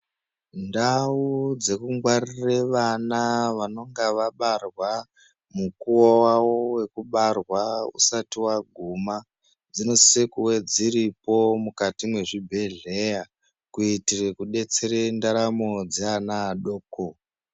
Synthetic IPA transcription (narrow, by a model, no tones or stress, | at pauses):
ndaud͡ze̞kuŋɡwarireʋanaʋano̞ŋɡaʋaɓarwa | mukuowawowe̞kuɓarwaṵsatiwaɡʱuma | d͡zinosekuwe̞d͡ziɾipo̞mukatimwe̞ʐibʱe̞ɮe̞ja | kuitirekuɗe̞t͡se̞ɾe̞ndaɾamo̞d͡zeanaːɗoːko